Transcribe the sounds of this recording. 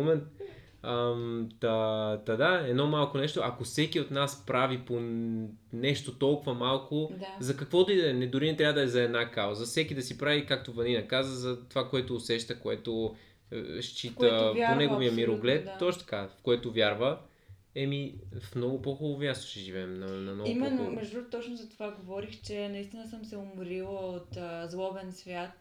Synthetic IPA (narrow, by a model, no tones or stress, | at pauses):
omɛnt̪ | əmt̪at̪ad̪aɛd̪nɔmalˠkonɛʃt̪oʔɐkofsɛkiot̪naspɾavipo | nɛʃt̪ot̪ɔlˠkʊvɐmalˠkozɐkɐkvɔd̪ɐid̪ɛnɛd̪ʊɾinɛt̪ɾʲavəd̪ɐɛzɐɛd̪nakawzɐfsɛkid̪ɐsipɾavikak̚t̪ovɐninɐkazəzɐt̪ovakoɛt̪oːsɛʃt̪əkoɛ̰t̪o̰ | ʃt͡ʃitkəɛpaonɛɡoviəmiɾoɡlɛt̪ːɔt͡ʃnt̪ɐkafkoɛt̪ovʲjaɾvə | ɛmifmnɔɡʊpoxolˠovʲjast̪o̥ʃɛʒivɛmnɐnɐnɔimɛnːʊmɛʒd̪ut̪ɔt͡ʃnʊzɐt̪ovaɡovɔɾixt͡ʃɛnɐist̪inəsəmsɛʊmɾilˠəot̪ːzlˠɔbɛnsvʲjat̪